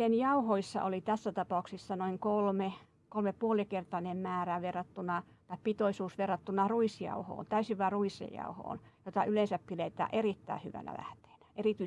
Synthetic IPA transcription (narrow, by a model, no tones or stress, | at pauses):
enjɑuhoisːɑ̰ʔolit̪æsːæt̪ɑpɑuksisːɑnoiŋkolme | kolmeppuoliekert̪ɑnemmæːræʋerːɑt̪ːunɑt̪ɑippit̪oisuːsʋerːɑt̪ːunɑruisjɑ̰uho̰ːnt̪æysiʋʋɑːruisḛjjɑ̰uho̰ːnjot̪ɑʔyleˑnsæppilet̪æ̰ːʔerit̪ːæ̰ihy̰ʋæ̰næ̰læ̰ht̪e̥ːnæ̥erit̪y